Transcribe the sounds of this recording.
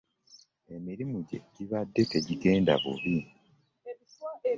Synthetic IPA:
e̞miɾimuɟe̞̰ɟiβadːe̞te̞ɟiɡe̞ːnda̰βṵβi

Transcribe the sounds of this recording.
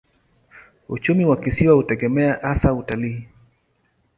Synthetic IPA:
ṵt͡ʃumiwakisiwahutɛɡɛmɛaʔasautaliː

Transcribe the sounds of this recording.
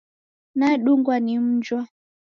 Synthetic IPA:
naɛɗuŋɡwanim̩d͡ʒwa

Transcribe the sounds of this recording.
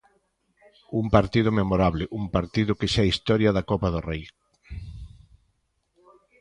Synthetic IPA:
umpaɾt̪iðʊmemoɾaβlɪʔumpaɾt̪iðʊkeʃɛist̪ɔɾjɐðakɔpaðorej

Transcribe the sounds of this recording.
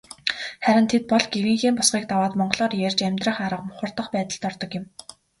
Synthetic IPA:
χæɾʲɪ̆nt̪ʰet̪̚pɔɮɡeɾĭŋxiːmpʊsɢiːk̚t̪awaːt̪mɔɴɢɮɔːrjærʲt͡ɕæmʲt̪rə̆χaɾə̆qmʊχʊ̆rt̪ə̆χpæːt̪ə̆ɬt̪ɔrt̪ɞ̆kjɪ̆m

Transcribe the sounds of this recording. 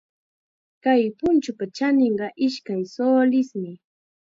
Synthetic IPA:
kajpʊnt͡ʃʊpat͡ʃanɪɴɢɑʔɪʃkajsoːlɪsmɪ

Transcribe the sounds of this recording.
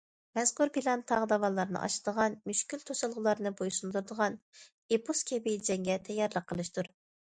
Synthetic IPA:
mɛzkuɾbilˠɑnt̪ʰɑʁd̪ɑvɑlˠːɑɾnɨ̰ʔɑ̰ʃɨd̪əʁɑnmyʃkʲylt̪ʰosɨlˠʁʊlˠɑɾnɨbojusund̪uɾd̪əʁɑn | epuskʲʰɛbid͡ʒɛŋɡʲɛt̪ʰɛjːɑɾlˠəqʰːəlˠɨʃt̪uɾ

